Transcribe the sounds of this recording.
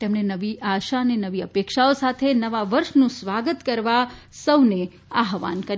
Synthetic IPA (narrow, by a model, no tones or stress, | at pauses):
t̪emɳenəʋiʔaʃanenəʋiəpekʃaosat̪ʰenəʋaʋəɾʃnũsʋaɡət̪kəɾʋasəwne | aɦʋa̰nkəɾ